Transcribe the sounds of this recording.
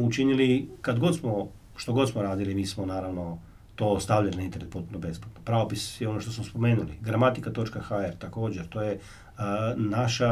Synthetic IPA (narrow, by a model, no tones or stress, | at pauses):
ut͡ʃinilikad̪ɡo̞t̪smo | ʃt̪o̞ɡo̞t̪smoɾaːd̪ilimiːsmonaːɾaʋno̞ | t̪o̞ːst̪aʋʎalinaint̪e̞ɾnet̪po̞t̪̚punobe̞splat̪nopɾaopisjeo̞no̞ʃt̪o̞smospo̞me̞ːnuliɡɾamat̪ikat̪o̞t͡ʃkaxaeɾt̪ako̞ːd͡ʑeɾt̪o̞ːje | naʃa